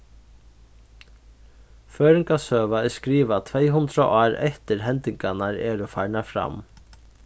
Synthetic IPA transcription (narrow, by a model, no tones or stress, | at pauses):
føːɾɪŋkasøːʋaɛskɾiːʋat̪ʰʋejɦʊnd̪ɾa̰ʔɑːɾɛ̰ht̪ɪɾɦɛnt̪ɪŋkanaɾɛ̰ɾɔfajɳafɾa̰m